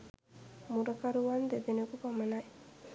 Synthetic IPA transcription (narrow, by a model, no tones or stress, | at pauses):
muɾɐkaɾuʋand̪eb̪enekupamɐnaj